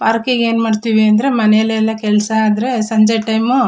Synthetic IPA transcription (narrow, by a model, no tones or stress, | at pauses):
paːɾkeɡeːnmaːɖt̪iʋiɐnd̪ɐɾe̞mɐnɛɛlːɛlːɐkɛlsɐːd̪ɐɾe̞sɐɲd͡ʒeʈɐjmu